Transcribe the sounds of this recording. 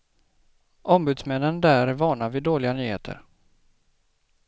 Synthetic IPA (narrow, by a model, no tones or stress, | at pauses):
ʔɔmbʉ̟ːd̪smɛnːənd̪æːɾvɑːɳavɪd̪oːlɪɡanyːhḛːt̪ʰə̰ɾ